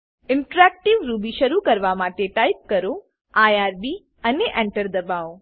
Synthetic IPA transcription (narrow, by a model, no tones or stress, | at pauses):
ɪɳʈɾɛk̚ʈiʋɾubiʃəɾukəɾʋamaʈeʈajp̚kəɾo | ajaɾbi | əneʔɛ̃ɳʈəɾd̪əbaʋo